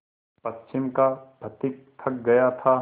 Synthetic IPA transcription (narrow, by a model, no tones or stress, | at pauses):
pɐt͡ʃːʃʰɪmkabʱɐt̪ɪk̚t̪ʰɐk̚ɡɐjat̪ʰa